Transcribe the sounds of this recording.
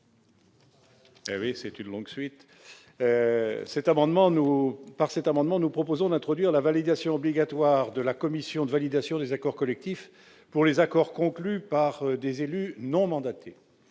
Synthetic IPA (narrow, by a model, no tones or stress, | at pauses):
ewisɛt̪ynlɔ̃ɡsɥit̪ | øsɛt̪amɑ̃d̪mɑ̃nupaʁsɛt̪amɑ̃d̪mɑ̃nupχɔpozɔ̃d̪ɛ̃t̪χɔd̪ɥiʁlavalid̪asjɔ̃ɔbliɡat̪waʁd̪əlakɔmisjɔ̃d̪əvalid̪asjɔ̃d̪ezakɔʁkɔlɛk̚t̪if | puʁlezakɔʁkɔ̃klypaʁd̪ezelynɔ̃mɑ̃d̪at̪ʰe